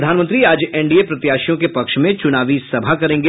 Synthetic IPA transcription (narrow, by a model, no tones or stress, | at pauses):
d̪ʱaːnmə̃nt̪ɾiaːd͡ʒɛːɳɖiepɾɐt̪jaːʃijõkepɐkʃmẽt͡ʃʊnaːʋisɐbʱakɐɾẽːŋɡe